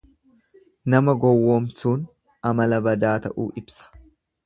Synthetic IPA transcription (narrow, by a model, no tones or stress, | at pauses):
nɐmɐɡɔwːoːmsuːn | ɐmɐlɐbɐd̪aːt̪ɐʔṵːʔɪbsɐ̥